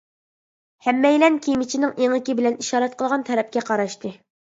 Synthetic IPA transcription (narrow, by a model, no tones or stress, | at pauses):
hɛmːɛjlɛnkʲʰijmɪt͡ʃʰinɪŋeŋɪkʲibɪlɛniʃɑːɾɛt̪̚qʰəlˠʁɑnt̪ʰɛɾɛp̚kʲɛqʰɑɾɑʃt̪ɨ